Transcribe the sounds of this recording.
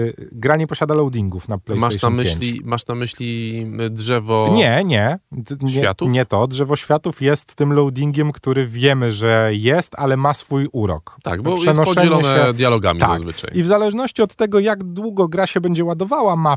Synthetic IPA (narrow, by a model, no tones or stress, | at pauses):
ɡɾaɲɛpɔɕad̪alɔwd̪ʲiŋɡufnaplɛj̪maɛj̪amɘpeɲlʲimaʂnamɘɕlʲidʐɛvɔɲɛɲɛ | ɛfja̰t̪uɲɛt̪ɔdʐɛvɔɕfʲjat̪ufjɛst̪ːɘmlɔwd̪ʲiŋɡʲɛmkt̪uɾɘvʲjɛmɘʐɛjɛst̪alɛmasfujuɾɔ̰kt̪a̰ɡbɔpʂjɛɛnɔʂɔd͡ʑɛɛɲlɔɛnɛɛd̪jalɔɡa̰mʲit̪azakzvɘ̰t͡ʂa̰jivzalɛʐnɔɕt͡ɕiɔt̪ːɛɡɔjaɡd̪wuɡɔɡɾaɕɛbɛɲd͡ʑɛwad̪ɔvawama